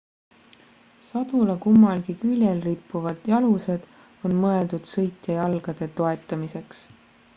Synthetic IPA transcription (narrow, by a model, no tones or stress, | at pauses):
sɑd̪̥ulekumːɑlɡikylʲjelripːuvɑd̪̥jɑluse̞d̪̥ | o̞nmɤe̞ld̪ud̪̥sɤjt̪jejɑlɡ̥ɑd̪̥e̞t̪o̞e̞t̪ːˑɑmise̞ks